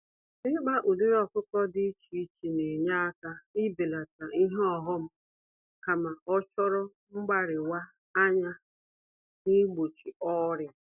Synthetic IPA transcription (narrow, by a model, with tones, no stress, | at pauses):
ɪ˦ɡ͡ba˦ʔu˨du˦ɾɔ˨kʊ˦kɔ˦dɪ˦t͡ʃi˨i˦t͡ʃi˨ne˨ɲa˦a˦ka˦ɪ˦bi˨la˨ta˨ʔi˦ɦɔ˦˨ɦʊ˦m̩˦ | ka˨ma˨ɔ˦t͡ʃɔ˦ɾɔ˦ | ŋ͡m̩˦ɡ͡ba˦ɾɪ˨wa˦ | a˦ɲa˦ | ni˦ɡ͡bo˨t͡ʃi˨ɔ˦ɾja˨˦